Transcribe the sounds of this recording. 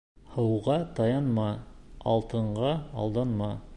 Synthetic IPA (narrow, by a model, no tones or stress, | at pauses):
hɤ̆wʁɑt̪ɑjɑnmɑɑ̰lˠt̪ʰɤ̆ɴɢɑɑ̰lˠd̪ɑnmɑ